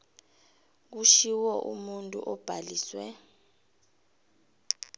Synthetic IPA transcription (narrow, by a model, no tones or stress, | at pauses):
k̬uʃiwɔʔṵmuntʼṵʔɔb̥ʱaliːswɛ